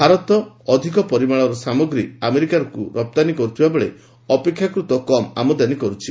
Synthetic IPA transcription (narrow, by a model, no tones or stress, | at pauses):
bʱaɾɔt̪ɔː | d̪ʱikɔpɔɾimaɭɔɾɔsamɔɡɾiameɾikaɾɔkuɾɔp̚t̪anikɔɾut̪ʰibabɔɭḛ | ɔpekʰːjakɾut̪ɔkɔma̰mɔd̪anikɔɾut͡ʃʰi